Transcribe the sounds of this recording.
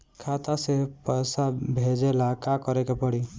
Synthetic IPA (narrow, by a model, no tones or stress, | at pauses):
kʰat̪asepəsabʱed͡ʒelakakəɾekepəɽi